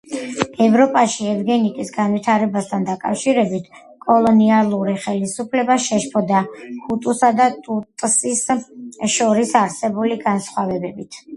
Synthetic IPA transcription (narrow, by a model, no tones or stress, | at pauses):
ɛvɾɔpʼaʃiɛvɡɛnikʼisɡanvit̪ʰaɾɛbast̪ʰand̪akʼafʃiɾɛbit̪ʰ | kʼɔlˠɔnialˠuɾiχɛlisupʰlɛbaʃɛʃpʰɔd̪akʰut̪ʼusad̪at̪ʼut̪ʼsisʃɔɾisaɾsɛbuliɡansχwavɛbɛbit̪ʰ